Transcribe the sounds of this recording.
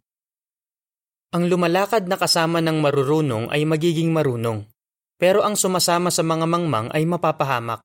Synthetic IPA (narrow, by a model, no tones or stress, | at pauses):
ʔɐŋlʊmɐlaːkɐd̪̚nɐkɐsaːmɐnɐŋmɐɾʊɾuːnoŋʔɐ̰jmɐɡiːɡɪŋmɐɾuːno̞ŋ | pɛːɾo̞ʔɐŋsʊmaːsaːmɐsɐmɐŋamɐŋma̰ŋʔɐ̰jmɐpaːpɐɦaːmɐ̰k̚